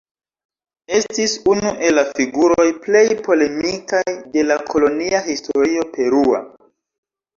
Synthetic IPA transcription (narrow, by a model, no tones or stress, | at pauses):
e̞stisunuʔe̞lːafiɡuɾo̞jple̞jpo̞le̞mikajde̞lakʰo̞lo̞niaɦistʰo̞ɾio̞pe̞ɾua̰